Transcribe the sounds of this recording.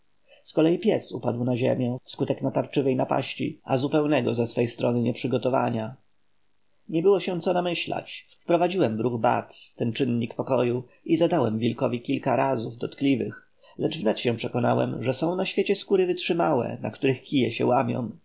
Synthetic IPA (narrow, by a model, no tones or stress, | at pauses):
skɔlɛjipʲjɛsṵpad̪wnaʑḛmʲjɛfskut̪ɛknat̪aɾt͡ʂɘvɛjnapa̰ɕt͡ɕḭazupɛwnɛɡɔzɛsfɛjst̪ɾɔnɘɲɛpʂɘɡɔt̪ɔva̰ɲa | ɲɛbɘwɔɕɛ̃t̪sɔnamɘɕla̰t͡ɕffpɾɔvad͡ʑiwɛmvɾuɣba̰t̪t̪ɛnt͡ʂɘnɲikpɔkɔju | izad̪awɛmvʲilkɔvʲikʲilkaɾazuvd̪ɔt̪klʲivɘx | lɛd͡ʐvnɛt̪ɕɛ̃pʂɛkɔnawɛ̰mʐɛsɔ̃w̃naɕfʲjet͡ɕɛskuɾɘvɘtʂɘmawɛ̰na̰kt̪uɾɘxkʲijɛɕɛ̰wamʲjɔ̰̃w̃